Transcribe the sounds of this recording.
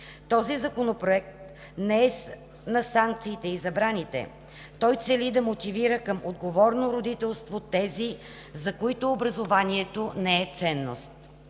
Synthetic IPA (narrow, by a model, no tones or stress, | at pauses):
t̪ɔzizɐkonopɾoɛk̚t̪ | nɛɛ | nɐsaŋk̚t̪siːt̪ɛizɐbɾanit̪ɛ̰ | t̪ɔjt̪sɛlid̪ɐmot̪iviɾəkəmod̪ɡovɔɾnoɾod̪it̪ɛlˠst̪vot̪ɛzi | zɐkoit̪ʊːbɾɐzovaniɛt̪onɛɛt̪sɛnːo̰st̪